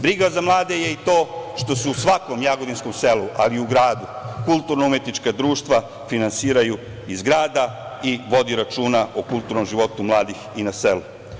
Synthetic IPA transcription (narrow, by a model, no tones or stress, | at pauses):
bɾiɡazamlˠaːd̪e̞je̞it̪o̞ːʃt̪o̞sɛusʋako̞mjaɡod̪insko̞mse̞luʔaliuɡɾaːd̪ukulˠt̪uɾnoumjet̪nit͡ʃkad̪ɾuːʃt̪ʋa | finansiːɾaju | izɡɾaːd̪aiʋo̞d̪iɾat͡ʃuːnaʔokulˠt̪uɾno̞mʒiʋo̞t̪umlˠaːd̪ixinaselu